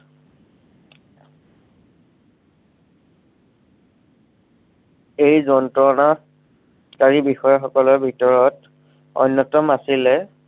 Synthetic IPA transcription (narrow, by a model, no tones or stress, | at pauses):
ejzɔntɹɔna | kaɹibixɔjaxɔkɔlɔbʱitɔɹɔt | ɔ̰nːɔtɔmasilɛ